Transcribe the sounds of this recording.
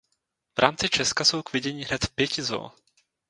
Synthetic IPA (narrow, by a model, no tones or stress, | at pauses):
vɾʔaːmt͡sɪt͡ʃɛskaso̞wkvɪɟɛɲiːɦnɛt̪pjɛcɪzo̰